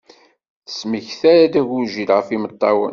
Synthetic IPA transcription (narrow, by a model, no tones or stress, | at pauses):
θə̥sməçθæɾad̪æʝʊɾʒilʁəfimət̪ˤːɑwə̰n